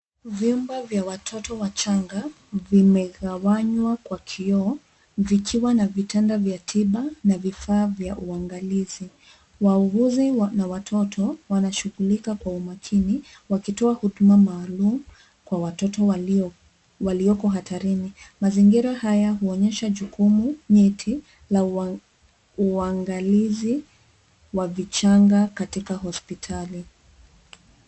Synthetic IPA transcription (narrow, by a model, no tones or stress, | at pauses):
vjumbavjawatʰɔtɔwat͡ʃaŋɡa | vimɛɣawaɲwakwakʰiɔ | vikʰiwanavitʰɛndavjatʰiɓanavifaːvjaʔuaŋɡalizi | wauɣuzinawatʰɔtʰɔwanaʃuɣulikakwaumakʰiniwakitɔahuɗumamaːlum̩ | kwawatɔtɔ | waliɔkɔɦatʰaɾinimaziŋɡiɾahajaɦuɔɲɛʃaʄukumuɲɛtʰi | la | uaŋɡalizi | wavit͡ʃaŋɡakatikaɦɔspitʰali